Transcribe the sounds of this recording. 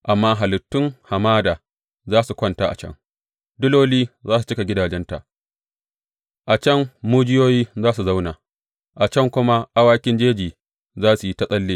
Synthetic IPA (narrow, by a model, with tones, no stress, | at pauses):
ʔa˨mːaː˦ɦa˨lɪ˨tːʊ˦ŋha˨maː˦daː˨ | zaː˦su˨kʷɐ˦nta˦ʔa̰˨t͡ʃɐ̰˦ŋ | dʊ˦loː˦liː˦zaː˦s̬u˨t͡ʃɪ˦ka˨ɡʲɪ˦daː˨d͡ʒɛ˦nta˨ʔ | ʔa˨t͡ʃɐ˦˨ŋmuː˦d͡ʒɪ˦joː˦jiː˦zaː˦su˨za˦wna˨ | ʔa˨t͡ʃɐ˦ŋkʷʊ˦ma˦ʔa˦waː˦kʲɪ˦nd͡ʒeː˦d͡ʒiː˨ | zaː˦su˨ji˦ta˦sʼɐ˦lːeː˦